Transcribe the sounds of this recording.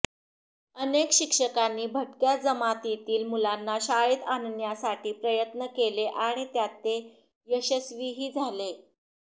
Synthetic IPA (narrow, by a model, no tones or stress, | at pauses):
ənekɕikʂəkanːiːbʱəʈkjad͡zəmat̪it̪iːlmulanːaɕaɭiːt̪annjasaʈʰiːpɾəjət̪nəkeleʔaɽ̃it̪jat̪ːe | jəɕəsʋiːɦiːd͡zʱale